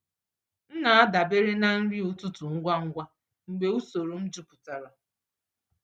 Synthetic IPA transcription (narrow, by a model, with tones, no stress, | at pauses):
n̩˦na˨a˦da˨be˦ɾe˦na˦n̩˦ɾi˦u˨tʊ˦tʊ˨ŋ̩˦ɡʷa˦ŋ̩˦ɡʷa˦ | ŋ͡m̩˨ɡ͡be˨u˦so˨ɾu˨m̩˦d͡ʒu˦pʊ̥˨ta˨ɾa˨